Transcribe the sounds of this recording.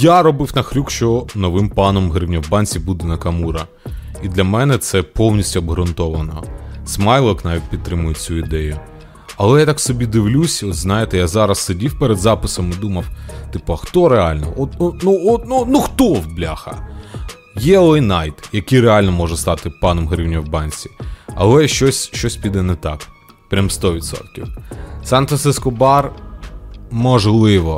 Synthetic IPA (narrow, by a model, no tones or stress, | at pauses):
jaɾɔbɪwnɐxɾʲukʃt͡ʃɔnɔʋɪmpɑnɔmɦɾɪwnʲɐwbɑnʲt͡sʲibud̪ɛnɐkɐmuɾɐ | id̪lʲɐmɛnɛt̪sɛpɔwnʲisʲtʲʊɐbɦɾʊnt̪ɔʋɐnɔ̰smɑjlˠɔknɑʋʲit̚ʲpʲid̪t̪ːɾɪmʊjet͡sʲuid̪ɛjʊ | ɐlˠɛjat̪ɑksɔbʲid̪ɪwlʲusʲɔt̪znɑjɪt̪ɛjazɑɾɐssedʲiwpeɾed̪zɑpɪsɔmɪd̪umɐwt̪ɪpɔxt̪ɔɾeɑlʲnɔ̰ɔt̪unuɔtnunuxt̪ɔwblʲaxɐ̰ | jɛɔlˠɛjnɑjt̪jɐkijreɑlʲnɔmɔʒɛst̪ɑt̪ɪpɑnɔmɦɾʲiwnʲɔwbɑnʲsʲi̥ɐ̰lˠɛʃt͡ʃɔsʲʃt͡ʃɔsʲpʲid̪ɛnɛt̪ɑk | pɾʲamst̪ɔʋʲit̪sɔ̰t̪kʲḭwsɑnt̪ɐsɪskɔbɑr | mɔʒlˠɪʋɔ